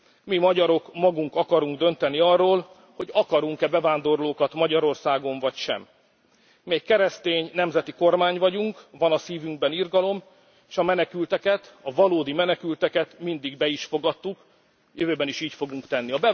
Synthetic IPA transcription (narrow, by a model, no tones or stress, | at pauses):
mimɒɟɒɾo̞kmɒɡuŋkɒkɒɾuŋɡd̪ønt̪ɛniɒrːoːl | ho̞ɟɒkɒɾuŋkɛbɛvaːnd̪o̞rloːkɒt̪mɒɟɒɾo̞rsaːɡo̞ɱvɒcʃɛ̰mː | eːkkːɛɾɛst̪eːɲnɛmzɛt̪iko̞rmaːɲvɒɟuŋkvɒnɒsiːvyŋɡ̚bɛnirɡɒlo̞m | eːʃɒmɛnɛkylt̪ɛkɛt̪ɒvɒloːd̪imɛnɛkylt̪ɛkɛt̪mind̪iɡbɛiʃfo̞ɡɒt̪ːuk | jøvøːbɛniʃiːcfo̞ɡuŋkt̪ɛnːiɒbɛ